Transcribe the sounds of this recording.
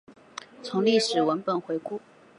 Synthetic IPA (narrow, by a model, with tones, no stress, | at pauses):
t͡sʰʊ˧˥ŋli˥˩ʂɻ̩˨˩wə˧˥npə˨˩nxwe˧˥ɪku˥˩